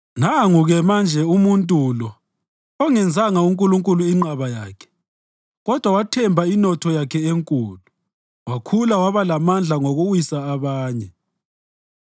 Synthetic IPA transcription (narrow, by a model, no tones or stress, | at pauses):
naŋuɣɛmand͡ʒʱɛumuntʼulɔ | ɔŋɛnd͡zʱaŋauŋkʼuluŋkʼuluiŋ͡ǃaβaja̰ːkʰɛ̥ | ɣɔd̥ʱwawatʰɛmbʱainɔtʰɔjakʰɛeŋkʼuːlu | wakʰulawaβalamand͡ɮʱaŋoɣuwisaːβaːɲɛ